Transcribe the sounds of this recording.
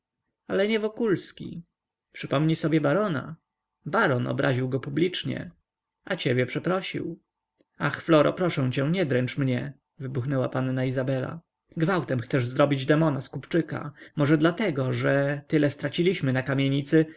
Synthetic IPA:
alɛɲɛvɔkulskʲḭ | pʂɘpɔmɲisɔbʲjɛbaɾɔna̰ | baɾɔnʔɔ̰bɾʔaʑiwɡɔpublʲit͡ʂɲɛ̰ | at͡ɕebʲjɛpʂɛpɾɔɕḭw | axflɔɾɔ̰pɾɔʂɛ̃w̃t͡ɕɛ̃ɲɛd̪ɾɛnt͡ʂmɲɛ | vɘbuxnɛwapanːaizabɛla̰ | ɡvawt̪ɛmxt̪sɛʐzɾɔbʲid͡ʑd̪ɛmɔnaskupt͡ʂɘka̰mɔʐɛd̪lat̪ɛɡɔʐɛt̪ɘlɛst̪ɾat͡ɕilʲiɕmɘnakamʲjeɲit̪sɘ

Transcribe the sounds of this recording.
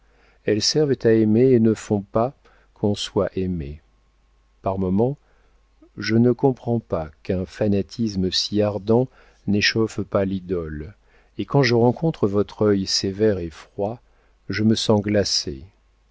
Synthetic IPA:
ɛlsɛʁvt̪aemeːnəfɔ̃pa | kʰɔ̃swaʔeme | paʁmɔmɑ̃ | ʒənəkɔ̃pχɑ̃pakɛ̃fanat̪ʰisməsiaʁd̪ɑ̃ | neʃɔfpalid̪ɔl | ekɑ̃ʒəʁɑ̃kʰɔ̃t̪χəvɔt̪χœjsevɛʁefχwa | ʒəməsɑ̃ɡlasḛ

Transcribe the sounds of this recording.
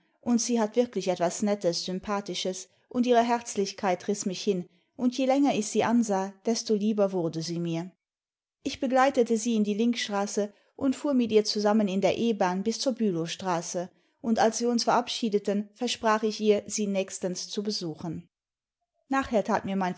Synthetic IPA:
ʔʊntz̥iːɦatv̥ɪɐklɪçɛtv̥asnɛtəsz̥ʏmpʰaːtɪʃəs | ʔʊntiːʁəɦɛʁt͡slɪçkʰaɪtʁɪsmɪçhɪn | ʔʊntjeːlɛŋɐɪçz̥iːʔanzaːd̥ɛstoliːbɐvʊɐdəziːmiːɐ | ʔɪçb̥əɡlaɪtətəziːɪndiːlɪŋkʃtʁ̥aːsə | ʔʊntfuːɐmɪtʔiːɐt͡suzamənɪndeːɐʔeːbaːnbɪst͡suːɐbyːloʃtʁ̥aːsə | ʔʊntalsv̥iːɐʊnsfɛɐʔapʃiːdətənfɛɐʃpʁ̥aːχɪçiːɐz̥iːnɛːçstənst͡subəzuːxən | naːχheːɐtʰa̰ːtmiːɐmaɪn

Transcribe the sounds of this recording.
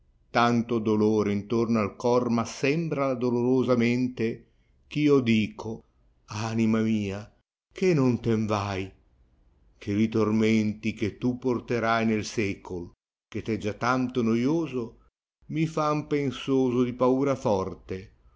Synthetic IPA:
t̪ant̪od̪oloːɾeint̪ornoalkɔrmasɛmbɾalad̪oloɾozamɛnt̪e | k̟iːod̪iːkʰo | animamiːa | kʰenont̪eɱvaj | k̟ʰelit̪ormɛnt̪ik̟et̪ːupːort̪eɾajnelsɛkʰol | ket̪ɛd͡ʒat̪ːant̪onojoːzo | mifampensoːzod̪ipauːɾafɔrt̪e

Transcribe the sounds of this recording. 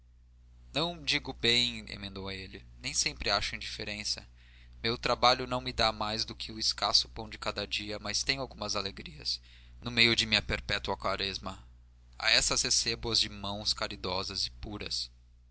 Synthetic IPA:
nɐ̃w̃d͡ʒiɡʊbẽj̃ḛmẽnd̪owelɪnẽj̃sẽmpɾɪaʃʊĩd͡ʒifeɾẽsɐ | mewt̪ɾabaʎʊnɐ̃w̃mɪd̪amajzd̪ʊkʰɪʊɪskasʊ̥pɐ̃w̃d͡ʒɪkad̪ɐd͡ʒiɐmast̪ẽj̃ʊawɡũmɐzaleɡɾiɐ̰s | nʊmejʊd͡ʒɪmĩɲɐpeɾpɛt̪uɐkwaɾɛzmɐ | a̰ɛsɐsesebuɐzd͡ʒɪmɐ̃w̃skaɾid̪ɔzɐzɪpuɾɐ̰s

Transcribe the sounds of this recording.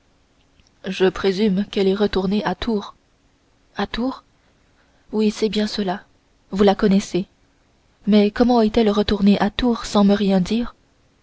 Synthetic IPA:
ʒəpχezymkɛlɛʁət̪uʁneʔat̪uʁ | at̪uːʁ | wisɛbjɛ̃səla | vulakɔnɛse | mɛkɔmɑ̃ɛt̪ɛlʁət̪uʁneʔat̪uːʁsɑ̃məʁjɛ̃d̪iːʁ

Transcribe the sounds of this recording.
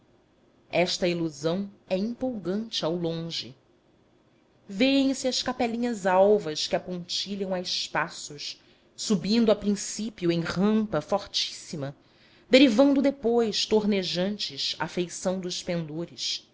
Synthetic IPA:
ɛʃt̪ɐiluzɐ̃w̃ɛĩmpowɡɐ̃nt͡ʃɪawlõʒɪ | vejẽj̃sɪɐʃkapɛlĩɲɐzawvɐskɪapõnt͡ʃiʎɐ̃w̃aɪspasʊʃ | subĩnd̪ʊɐpɾĩsipjʊẽj̃ʁɐ̃mpɐfɔɾt͡ʃi̥simɐ | d̪eɾivɐ̃nd̪ʊd̪epojʃt̪oɾneʒɐ̃nt͡ʃɪʃɐ̰fejsɐ̃w̃d̪ʊʃpẽnd̪oɾɪʃ

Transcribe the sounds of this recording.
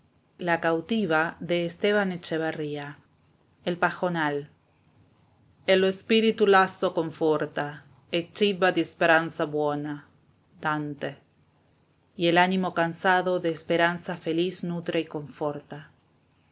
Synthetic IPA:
lakawt̪iβaðeːst̪eβanet͡ʃeβaria | elpaxonal | eloespiɾit̪ulasokoɱfoɾt̪a | et͡ʃiβad̪eespeɾansaβwena | d̪̥ant̪e | ielanimo̞kansaðoðeːspeɾansafelisnut̪ɾeiko̞ɱfoɾt̪a

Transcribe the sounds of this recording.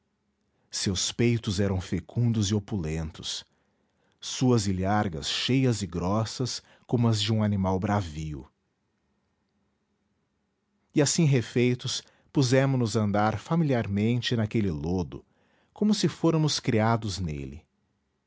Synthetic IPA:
sewspejt̪ʊzɛɾɐ̃w̃fekʰũnd̪ʊzɪopulẽnt̪ʊ̥s | uɐziliaɾɡɐ̰sʃejɐzɪɡɾɔsɐs | kõmʊɐzd͡ʒɪũanimawbɾaviʊ̰ | ɪasĩɦefejt̪ʊs | puzɛ̃mʊnʊzɐ̃nd̪aɾfamiliaɾmẽnt͡ʃɪnakelɪlod̪ʊ̰ | kõmʊsɪfoɾɐmʊskɾiad̪ʊznḛlɪ̰

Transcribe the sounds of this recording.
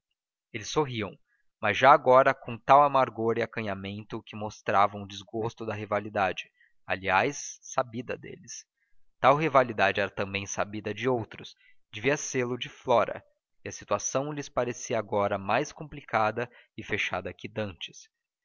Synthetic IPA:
elɪsːoɦiɐ̰̃w̃ | mɐzʒaːɡɔɾɐkõt̪awamaɾɡoɾɪakɐ̃ɲamẽnt̪ʊkɪmost̪ɾavɐ̃w̃ʊd͡ʒɪzɡost̪ʊd̪ɐɦivalid̪ad͡ʒɪ | a̰liajsːabid̪ɐd̪ḛlɪs | t̪awɦivalid̪ad͡ʒɪɛɾɐt̪ɐ̃mbẽj̃sa̰bid̪ɐd͡ʒɪowt̪ɾʊs | d͡ʒeviɐselʊd͡ʒɪflɔɾɐ̰ | ɪɐsit̪uasɐ̃w̃lɪspaɾesiɐaɡɔɾɐmajskõmplikʰad̪ɐɪfeʃa̰d̪ɐkɪd̪ɐ̃nt͡ʃɪ̥s

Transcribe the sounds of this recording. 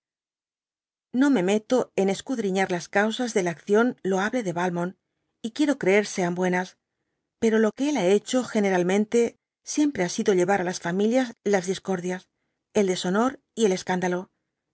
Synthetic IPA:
no̞me̞me̞t̪o̞e̞ne̞skuðɾiɲaɾlaskawsazðe̞laːkθjo̞nlo̞aβle̞ðe̞βalmo̞n | ikje̞ɾo̞kɾe̞e̞ɾse̞ambwe̞nas | pe̞ɾo̞lo̞keelae̞t͡ʃo̞xe̞ne̞ɾalmẽ̞nt̪e̞ | sje̞mpɾe̞asiðo̞ʎe̞βaɾalasfamiljazlazðisko̞ɾðjas | e̞ld̪e̞so̞no̞ɾ | ie̞le̞skand̪alo̞

